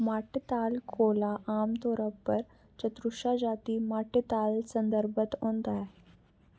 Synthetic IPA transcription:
maʈt̪alkʰolaʔamt̪oɾəpːəɾ | t͡ɕət̪ɾuʂad͡ʑat̪iːmaʈət̪alsənd̪əɾbət̪õnt̪a

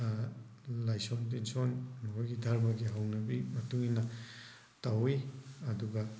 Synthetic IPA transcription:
lajsontensonmɐkʰojɡidʱaɾmɐɡiɦawnɐbimɐtuŋinɐ | tawijɐduɡa

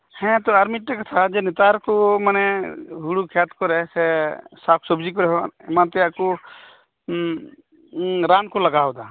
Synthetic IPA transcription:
hɛ̃t̪ɔaɾmiʈʈɛkɔt̪ʰad͡ʒɛnɛt̪aɾkɔmanɛɦuɽukʰat̪kɔɾɛsɛsakʰsɔbd͡ʒikɔɾɛɦɔ̃ɛmant̪ɛakɔ | ɾankɔlaɡawd̪a

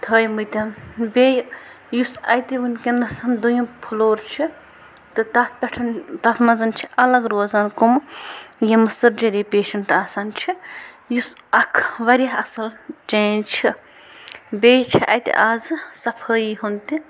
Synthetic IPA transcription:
t̪ʰəːjmɨt̪ʲanbej | jusɐ̰jt̪iunkʲenɐsɐnd̪ujimpʰuloːɾt͡ʃʰi | t̪ɨt̪ɐt̪ʰpʲɐʈʰɐnt̪ɐt̪ʰmɐzɐnt͡ʃʰi̥ʔɐlɐɡɾoːzaːnkumjemɨsɨɾd͡ʒɐɾeːpeːʃɐɳʈaːsaːnt͡ʃʰi | jus | ɐkʰʋɐɾʲjaɦɐsɐld͡ʒɐnt͡ʃʰi | bʲeːjt͡ʃʰiʔɐ̰jt̪ḭʔaːzɨsɐpʰəːjiɦunt̪i

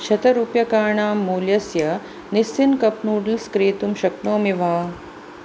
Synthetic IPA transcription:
ʃɐt̪ɐɾupjɐkaːɳaːmːuːljɐsjɐ | nisːinkɐpnuːɽilskɾiːt̪umʃɐknoːmiʋaː

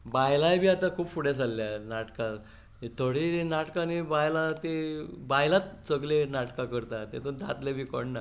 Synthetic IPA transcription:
bajlajbʱiːat̪akʰuːpfuɽes̬alːjanaʈkã | et̪ʰoɽinaʈkanibajlat̪ebajlat̪̚t͡səɡlenaʈkakəɾt̪at̪et̪õd̪a̰t̪lebikoɳna

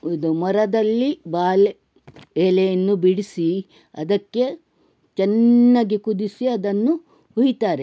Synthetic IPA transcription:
ud̪umɔɾɐd̪ɐlːibaːle | eːlejɐnːubiɽisi | ɐd̪ɐkːe̞ | t͡ʃɛnːaːɡekud̪isiɐd̪ɐnːu | huɦit̪aːɾe

